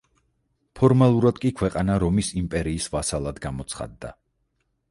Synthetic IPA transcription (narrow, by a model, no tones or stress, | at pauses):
pʰɔɾmalˠuɾad̪̥kʼikʰwɛqʼanaɾɔmisimpʼɛɾiːsvasalˠad̪ɡamɔt̪sʰχa̰d̪ːa̰